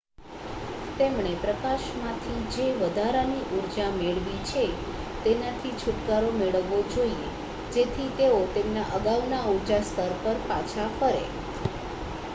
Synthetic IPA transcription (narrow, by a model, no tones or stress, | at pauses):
t̪emɳepɾəkaʃmãt̪ʰid͡ʒeʋəd̪ʱaɾaniʔuɾd͡ʒameɭʋit͡ʃʰe | t̪enat̪ʰit͡ʃʰʊʈkaɾomeɭəʋːod͡ʒoie | d͡ʒet̪ʰit̪eot̪emnaʔəɡaʋnauɾd͡ʒast̪ʰəɾpəɾpat͡ʃʰafəɾḛ